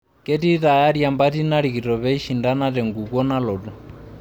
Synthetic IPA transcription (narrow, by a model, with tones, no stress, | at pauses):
kɛ˦ti˦ta˨ja˦ɾja˨mba˦ti˦na˦ɾi˨ki˨ɾɔ˨βɛ˦i˦ʃi˨nda˦na˦tɛ˨ŋɡu˨kɔ˦na˦lɔ˨dɔ˨